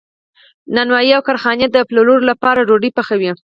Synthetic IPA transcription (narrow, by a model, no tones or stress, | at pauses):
nanwɑjiawkaɾxɑnjad̪əploloɾlapɑɾaɾoɖipaxawi